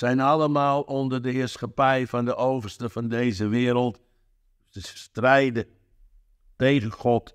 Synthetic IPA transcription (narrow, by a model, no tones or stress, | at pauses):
sɛjnɑləmaːlˠɔndərdəɦɪːrsχapɛjvɑndəʔowvərstəvɑndejzəʋɪːɾəlˠt | dəstrɛjdə | tejɣənχɔt